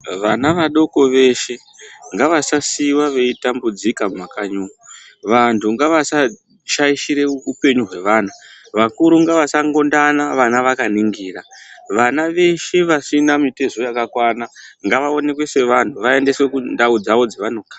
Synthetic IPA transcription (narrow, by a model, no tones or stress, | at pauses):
ʋanaʋaɗo̞ko̞ʋe̞ʃe̞ | ŋɡaʋasasiwaʋe̞itambud͡zikammakaɲuːku | ʋantʰuŋɡaʋasa | ʃaiʃiɾe̞upe̞ɲuɦwe̞ʋaːnaʋakuɾuŋɡaʋasaŋɡo̞ndanaʋanaʋakaniŋɡiːraʋanaʋe̞ʃe̞ʋasinamite̞zo̞jakakwanaŋɡaʋao̞ne̞kwe̞se̞ʋantʰuʋae̞nde̞swe̞kundaud͡zao̞d͡zeʋano̞kḁː